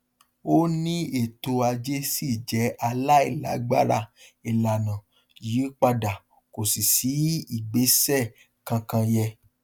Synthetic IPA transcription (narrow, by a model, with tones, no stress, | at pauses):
o˦nĩ˦e˦˨to˧a˧d͡ʒe˦si˦˨d͡ʒɛ˨˦ʔa˧la˦i˦˨la̰˨˦ɡ͡ba˦ɾa˧i˨la˨nã˨ | ji˨˦k͡pa˧da˨ | ko˨si˨si˨˦i˦˨ɡ͡be˨˦sɛ˦˨ | kã˧kã˧jɛ˧